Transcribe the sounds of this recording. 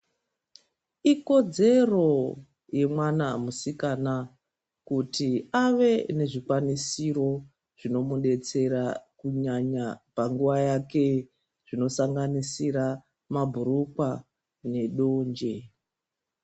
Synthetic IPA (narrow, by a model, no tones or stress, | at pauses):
iko̞d͡ze̞ro̞ | je̞mwanamusikana | kutiaʋe̞ne̞ʐikwanisiro̞ | ʐ̥ino̞muɗe̞t͡se̞ɾakuɲaɲapaŋɡuʋajake̞ | ʐ̥ino̞saŋɡanisiɾa | mabʱuɾukwa | ne̞ɗo̞ːnd͡ʒe